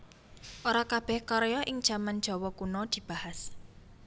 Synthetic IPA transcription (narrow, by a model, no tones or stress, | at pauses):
ʔoɾakab̥ɛhkɔɾejɔʔɪŋd̥ʒ̥a̤mand̥ʒ̥ɔ̤wɔkunɔd̪̥i̤b̥a̤has